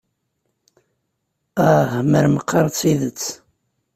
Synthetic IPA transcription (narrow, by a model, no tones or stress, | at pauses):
æhməɾməqʰːɑɾˤt͡sːiðət͡sː